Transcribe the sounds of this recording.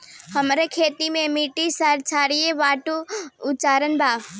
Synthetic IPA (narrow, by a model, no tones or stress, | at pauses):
həmɾekʰeːt̪imẽmiːʈisaɾt͡ʃʰaːɾijeʋaːʈuʊt͡ʃaːɾənbʱaː